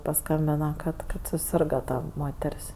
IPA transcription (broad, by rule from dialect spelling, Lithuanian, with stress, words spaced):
pɐˈskɐmʲbʲɪnɐ kɐt ˈkɐt sʊˈsʲɪrɡɐ ˈtɐ ˈmoːtʲɛrʲsʲ